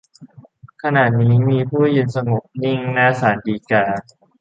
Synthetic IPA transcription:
kʰa˧na˨˩t̪̚niː˦˥miː˧pʰuː˥˩ji˧nsa˧ŋo˨˩p̚ni˥˩ŋlɛ˦˥saː˩˦ndiː˧kaː˧

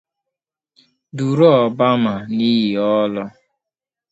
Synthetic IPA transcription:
du˨ɾɔ˦ɔ˨ba˦ma˨ni˦ɦi˨ɔ˦lɔ˦

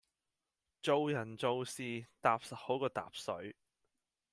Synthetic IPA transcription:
t͡so˨˧wjɐ˨˩nt͡so˨wsiː˨t̪aː˨p̚sɐ˨t̚ho˨˥wkɔː˧t̪a̰ː˨p̚sɵ̰˨˥ɥ

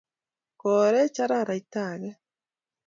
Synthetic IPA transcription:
ko˨ɾɛ˦t͡ʃa˦ɾa˦˨ɾa˨i˦ta˨ɡɛ˦

